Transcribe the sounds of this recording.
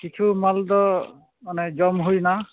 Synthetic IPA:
kit͡ʃʰumaldɔ | manɛd͡ʒɔmɦojna

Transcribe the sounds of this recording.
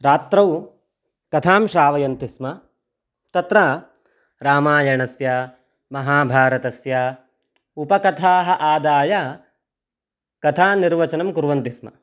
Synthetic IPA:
ɾaːt̪ɾɐw | kɐt̪ʰaːmʃɾaːʋɐjɐnt̪ismɐ | t̪ɐt̪ɾaː | ɾaːmaːjɐɳɐsja | mɐɦaːbʱaːɾɐt̪ɐsja | upɐkɐt̪ʰaːɦɐ̆ʔaːd̪aːja | kɐt̪ʰaːniɾʋɐt͡ʃɐnɐmkuɾʋɐnt̪ismɐ̰

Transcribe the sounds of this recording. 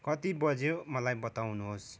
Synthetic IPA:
kʌt̪ibʌd͡zomʌlajbʌt̪awnuɦos

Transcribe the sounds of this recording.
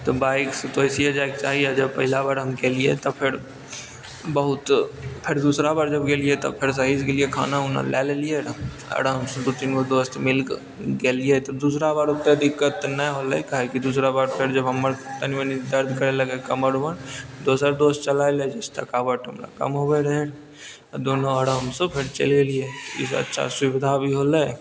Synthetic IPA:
t̪ɔbaːɪkst̪oəɪsiad͡ʒaːekt͡ʃaːɦiad͡ʒəbpɐɦɪlabaːɾɦɐmkeːlijḛt̪ɔpʰɪɾ | bəɦʊt̪pʰɪɾd̪uːsɾabaːɾd͡ʒəbɡeliet̪ɔ̰pʰɪɾs̬aːɦiskeliekʰa̰ːnaʊna̰lʔɛːlelieɾ | ə̰ɾəmsd̪ut̪inkod̪oːst̪mɪlk | ɡelijet̪ɔd̪uːsɾabaːɾut̪ed̪ɪkːət̪ːnəɦoləkaɦekid̪uːsɾabaːɾpʰeɾd͡ʒəbɦəməɾt̪aniʋənid̪əɾd̪ʱkəɾeləɡekəməɽuʋənd̪osəɾd̪ost̪t͡ʃəlaeled͡ʒest̪ʰə̰kabəʈʰɦəmla̰kə̰mɦobeɾəɦen | d̪onoəɽɦəmsə̃pʰeɾt͡ʃə̰lelijet̪ḭsə̰tːʃʰa̰swiʋid̪ʱabʱiɦoləj

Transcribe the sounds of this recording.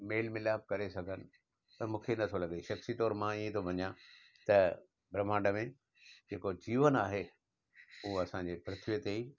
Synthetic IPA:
meːlmɪlaːb̚kɐɾesɐɡʱənɪ̆ | ɐ̃ːmũːkʰenɐt̪ʰolɐɡeʃɐxsit̪ɔːɾmãiẽt̪ʰobʱɐɲã | t̪ɐ | bɾɐmaːɳɖəmẽ | d͡ʑeːkod͡ʑiːʋənaːɦe | ʊɦoɐsãɲd͡ʑeːpɾɪt̪ʰʋiət̪eiː

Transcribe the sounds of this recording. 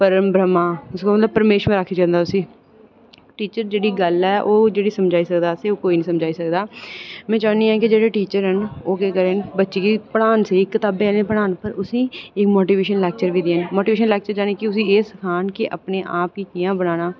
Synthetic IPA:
pəɾəmbɾəmaːɪskaːmət̪ləb̚pːəɾmeːʃmẽːɾakʰːiːd͡ʒãːnd̪aːʊsĩː | ʈiːt͡ʃəɾd͡ʒeːɽiːɡəlɛːʔoːd͡ʒeːɽiːsəmd͡ʒaːiːsəkd̪aːseːoːkoːiːnĩːsəmd͡ʒaːiːsəkd̪aːmɛ̃ːt͡ʃaːniːãːkɪd͡ʒeːɽeːʈiːt͡ʃəɾɦənoːkeːkəɾeːnbətːʃeːkiːpəɽaːnseːɪkːət̪aːbeːɛːlẽːpəɽ̃aːnpəɾʊsĩːɪkmoːʈiːʋeːʃənlɛːk̚t͡ʃəɾʋiːd̪eːɦənmoːʈiʋeːʃənlɛːk̚t͡ʃəɾd͡ʒaːniːkɪʊs̬ĩːeːsəkʰaːnkeʔə̰pneːʔaːp̚kiːt͡ʃɪjãːbəɽ̃aːñaː

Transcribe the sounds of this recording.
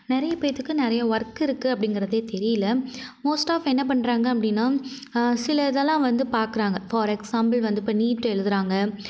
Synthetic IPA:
nɛɾɐjɐpɐjɪt̪ːɯkːɯnɪɾɐjɐʋɐɾkːɪɾɯkːɯɐpːɐɽɪŋɡɪɾɐðeːt̪ɛɾɪjɪlːɐmoːsʈaːfɛnːɐp̬ɐɳːɾaːŋɡɐɐpːɐɽɪnːaː | sɪlɐðɛlãːʋɐnd̪ɯpaːɾkɯɾaːŋɡɐfaːɾɛksaːmbɐlʋɐnd̪ɯɪpːɐniːʈːɯɛɻɯðɯɾaːŋɡɐ

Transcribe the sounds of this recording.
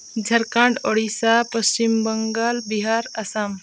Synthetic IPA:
d͡ʒʱəɾkãɳɖoɽisapəst͡ɕimbəŋɡalbiɦaɾəsam

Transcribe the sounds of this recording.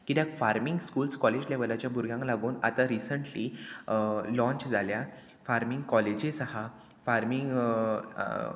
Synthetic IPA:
kit̪jakfaɾmiŋɡskuːlskɔled͡ʑleʋəlat͡ɕjabʱuɾɡʱjãŋklaɡuːna̰t̪aɾisəɳʈli | lɔ̃ɲt͡ɕd͡zʱalja | faɾmiŋɡkɔled͡ʑesəha | faɾmiŋɡ

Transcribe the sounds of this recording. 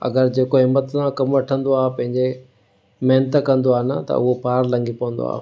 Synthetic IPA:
ɐ̰ɡəɾd͡ʑeːkoɦɪmːət̪nãkɐmʋɐʈʰə̃nd̪oaːpɐ̃ɦɪ̃ɲd͡ʑe | mɐɦnət̪kɐ̃nd̪oaːɦnɐt̪ɐ̰ʊɦopaːɾlɐ̃ŋɡipɐʋə̃nd̪o̰a̰ː

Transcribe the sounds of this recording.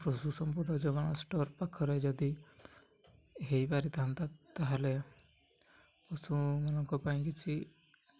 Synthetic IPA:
pɾɔsusɔmpud̪ɔd͡ʒɔɡɔnɔsʈɔɾpakʰɔɾed͡ʒɔd̪i | ɦejbaɾit̪ant̪at̪aɦale | kɔsũmɔnɔŋkɔpaĩkit͡ʃʰi

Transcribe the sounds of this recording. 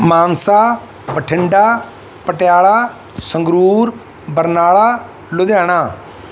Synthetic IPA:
maːnsaː | bəʈʰɪɳɖaː | pəʈɪjaːɭaː | səŋɡɾuːɾ | bəɾnaːɭaː | lʊd̪jaːɽ̃aː

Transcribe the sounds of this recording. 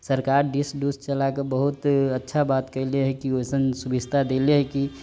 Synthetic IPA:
səɾkaɾɖisɖust͡ʃəlakebəɦut̪ətːʃʰabat̪kəɪleɦɛkiosənsubist̪ʰad̪eleɦɛki

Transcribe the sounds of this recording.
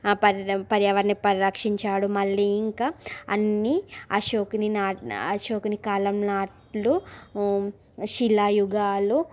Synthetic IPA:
pɐpɐɾjɐʋɐɾnipɐɾiɾɐkʂiɲt͡ʃaːɽumɐlːiiŋkaːɐ̰nːiɐ̰ʃoːkininaːɐʃoːkinikaːlɐmnaːʈ | lu | ʃilːaːjuɡaːlu

